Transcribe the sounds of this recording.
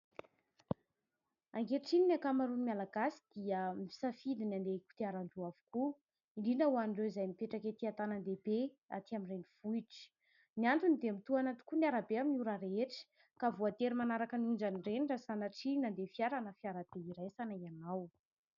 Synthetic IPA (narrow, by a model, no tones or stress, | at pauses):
aŋɡeʈ͡ʂininakamaɾunimʲalaɡasi̥d̪̥iəmii̥safilinand̪eku̥t̪iaɾaɳɖ͡ʐuavu̥ku | iɳɖ͡ʐinəuaniɳɖ͡ʐewizajmipeʈ͡ʂaket̪iat̪anand̪ebe | a̰t̪iamireniv̥uiʈ͡ʂə̥ | niant̪unid̪emit̪uanat̪u̥kuniaɾabeaminuɾaɾeʈ͡ʂə̥ | kavuat̪eɾimanaɾakənuɳd͡ʒaniɖ͡ʐeniɖ͡ʐasanaʈ͡ʂinand̪efiaɾanəfiaɾad̪̥eiɾajsanaianaw